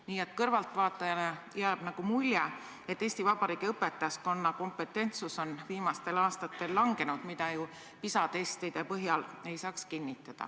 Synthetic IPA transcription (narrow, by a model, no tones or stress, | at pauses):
niːe̞t̪kɤrvɑlt̪vɑːt̪ːˑɑjɑnejæːb̥nɑɡ̥umulʲje | e̞t̪ːˑe̞ːsʲt̪ivɑb̥ɑɾiːɡ̥iɤpːe̞t̪ːˑɑjɑsko̞nːɑko̞mpe̞t̪ːˑe̞nt̪suso̞nviːmɑst̪e̞lɑːst̪ɑt̪ːˑe̞lːɑŋɡ̥e̞nud̪̥mid̪̥ɑju | pisɑt̪e̞st̪id̪̥e̞pɤɦjɑle̞jsɑːkskinʲːit̪ːˑɑd̪̥ɑ̰